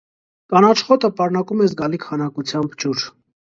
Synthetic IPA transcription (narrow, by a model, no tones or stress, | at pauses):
kɑnɑt͡ʃχɔt̪əpɑɾnɑkumɛzɡɑlikʰhɑnɑkut͡sʰjɑmbt͡ʃuɾ